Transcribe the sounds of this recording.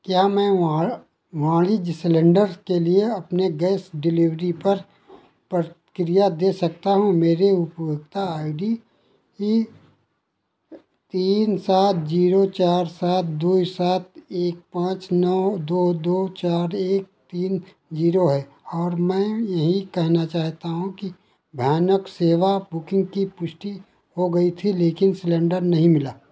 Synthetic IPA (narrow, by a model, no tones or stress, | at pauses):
kjaːmɛ̃ːʋã | ʋãːlid͡ʒsɪlə̃ɳɖəɾskelieɐpneɡɛːsɖɪliʋɾipɐɾ | pɾə | kɾijad̪eːsɐk̚t̪aɦũmeːɾeʊpjʊɡ̚t̪aaːɪɖi | ki | t̪iːnsaːt̪̚ʰd͡ʒiːɾot͡ʃaːɾsaːt̪̚ʰd̪uːisaːt̪̚ʰeːk̚pãːt͡ʃnɔd̪oːd̪oːt͡ʃaːɾeːk̚t̪iːn | d͡ʒiːɾoɦɛ | ɔːɾmɛ̃ːjɐɦĩkɛɦnat͡ʃaːɦt̪aɦũki | bʱjaːnəkseːʋabʊkɪ̃ŋɡkipʊʃʈi | ɦoɡɐit̪ʰileːkɪnslɛ̃ːɳɖəɾnɐɦĩmɪlaː